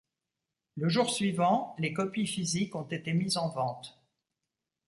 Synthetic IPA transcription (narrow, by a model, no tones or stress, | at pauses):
ləʒuʁsɥivɑ̃lekɔpifizikɔ̃t̪et̪emizɑ̃vɑ̃t̪